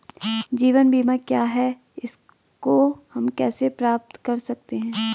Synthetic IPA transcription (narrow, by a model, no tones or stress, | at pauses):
d͡ʒiːʋənbʱiːmãkjaːɦɛ | ɪs | kohɐmkɛːsepɾaːp̚t̪kɐɾsɐk̚t̪eɦɛ̃ː